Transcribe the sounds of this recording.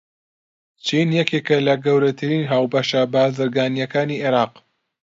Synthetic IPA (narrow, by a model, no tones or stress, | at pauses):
t͡ʃʰinjɛkeːkɐlɐɡɐwɾɐt̪ʰɨɾiːnɦaːwbɐʃɐbaːzɨɾɡaːnijɐkaːniːʔeɾɑːq